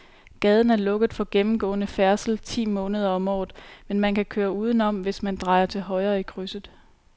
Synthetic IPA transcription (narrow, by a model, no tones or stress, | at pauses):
ɡ̥ɛːð̞ˠn̩æɐlɔ̽ɡ̥əð̩ˠfɒ̽ɡ̥emm̩ɡ̥ɔ̰̽ːnəfæɐsl̩t͡sʰḭːmɔ̽ːnəð̞ˠɐɒ̽mɒ̰ːð̩ˠmenmænkʰækʰøːɐuːð̞ˠn̩ɒ̽m̰ʋe̝smænd̥ʁɑ̈ɪɐt͡sʰe̝lɦɒ̽ɪʁɐːikʰʁysð̩ˠ